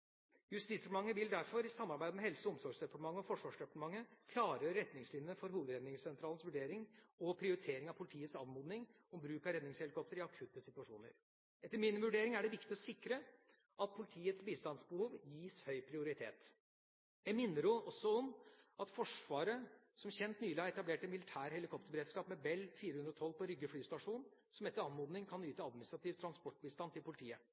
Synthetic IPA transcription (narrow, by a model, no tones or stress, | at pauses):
jʉst̪iːsd̪ɾɳmɑŋːəʋɪld̪æɾfɔɾɪsɑmːɑɾbæɪd̪əmɛhɛlsəɔɔmsɔɾɡsd̪ɛpɑʈəmɑŋːəɔfɔʂʋɑːʂd̪ɛpɑ̥ʈ̪əmɑŋːəkʰlɑːɾəɾɛt̪nɪŋslɪnjəəfɔɾhuːʋəd̪ɾɛd̪nɪŋssɛnt̪ʰɾɑːln̩sʋʉɖeːɾɪŋɔpʰɾɪʊɾɪt̪ʰeːɾɪŋɑʋpʰʊlɪt̪ʰiːət̪sɑːʋmoːd̪nɪŋ | ɔmbɾʉːkɑɾɛd̪nɪŋshɛlkʰɔp̚t̪əɾɪɑkʰʉt̪ːəsɪt̪ʉʋɑʂṵːnə̰ɾ | ɛt̪ːəɾmɪnʋʉɖeːɾɪŋæɖɛʋɪkt̪ɪɔsɪkɾə | ʔɑt̪̚pʰʊlɪt̪ʰiːət̪sbiːst̪ɑnsbəhuːʋjiːshœʏpʰɾɪʊɾɪt̪ʰḛːt̪ | jæɪmɪnːəɾʊʔɔsːɔɔmɑt̪fɔʂʋɑːɾə | sɔmçɛnt̪nyːlɪhɑɾɛt̪ɑbleːʈɛnmɪlɪt̪ʰæːɾhɛlɪkʰɔp̚t̪əɾbəɾeːd̪skɑːpmɛbɛlːfiːɾəhʉnd̪ɾɔt̪ʰɔlːpʰɔɾʏɡːəflyːst̪ɑʂuːn | sɔmɛt̪ːəɾɑnmoːd̪nɪŋkʰɑnyːt̪əɑd̪mɪnɪst̪ɾɑt̪iːʋt̪ʰɾɑnspɔʈːbiːst̪ɑnt̪ʰɪlpʊlɪt̪ʰiːə